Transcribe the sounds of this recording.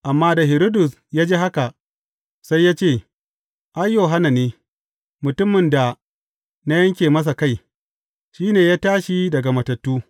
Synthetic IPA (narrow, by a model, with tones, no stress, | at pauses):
ʔa˨mːaː˦da˨ɦɪ˨ɾoː˦dʊ˨s | jaː˦d͡ʒeː˦ɦa˦ka˨ | sa˦jːaː˦t͡ʃeː˦˨ | ʔa˦jjo˨ɦa˦na˨neː˦ | mʊ˨tʊ˦mːɪ˨nda˨ | na˦jɐ˦ŋkʲeː˨mɐ˦s̬a˨ka˦˨j | ʃiː˦neː˨jaː˦taː˦ʃi˦dɐ˨ɡa˨mɐ˨tɐ˨tːuː˦